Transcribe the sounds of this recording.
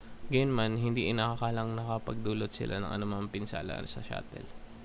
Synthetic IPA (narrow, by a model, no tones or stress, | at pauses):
ɡɐjonmanɦɪnd̪iʔɪnɐkɐkaːlɐŋnɐkɐpɐɡ̚d̪uːlot̪̚sɪ̰lʔa̰nɐ̰ŋʔɐ̰nʊmaŋpɪnsa̰ːlɐ̰sɐ̰ʃa̰ːt̪ɛ̰l